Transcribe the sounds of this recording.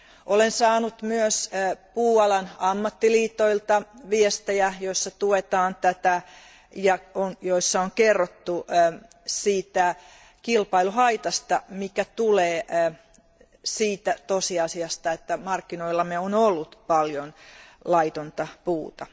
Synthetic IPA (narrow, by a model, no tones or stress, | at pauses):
ʔolensɑːnut̪myøspuːɑlɑnɑmːɑt̪ːiliːt̪ːˑoilt̪ɑʋiest̪ejæjoisːɑt̪uet̪ɑːnt̪æt̪æ | jɑonjoisːɑoŋkerːot̪ːu | siːt̪æ | kilpɑiluɦɑit̪ɑst̪ɑmikæt̪uleː | siːt̪æt̪osiɑsiɑst̪ɑet̪ːæmɑrkːinoilːɑmeonolːut̪pɑljonlɑit̪ont̪ɑpuːt̪ɑ